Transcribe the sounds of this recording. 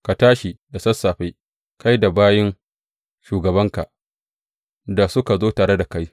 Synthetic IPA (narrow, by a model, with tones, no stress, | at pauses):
ka˨taː˦ʃi˨da˨sɐ˦sːaː˨ɸa˦j | ka˦jda˨baː˦jɪ˦ŋ | ʃuː˨ɡɐ˨βɐ˦ŋka˨ʔ | da˨sʊ˦ka˨zoː˦taː˨ɽe˦da˨ka˦j